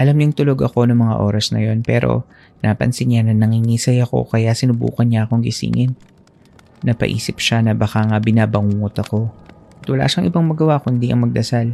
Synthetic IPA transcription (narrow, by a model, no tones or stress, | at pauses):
ʔɐlamɲʊŋt̪ʊlo̞ɡɐko̞nɐŋmɐŋa̰ʔo̞ːɾɐsnɐ̰jo̞npɛːɾo̞̰ | nʔaːpɐ̰nsɪnɲanɐnɐŋiŋiːsɐjɐko̞̰kɐjasɪnʊbṵːkɐnɲaʔɐko̞ŋɡɪsḭːŋɪnː | ɐpɐ̰ʔḭːsɪpʃanɐbɐxaŋɐbɪnaːbɐŋuːŋot̪ɐko̞ | ʔɐt̪wɐla̰ːʃɐŋʔɪbaŋmɐɡɐwakʊnd̪iʔɐ̰ŋmɐɡ̚d̪ɐsal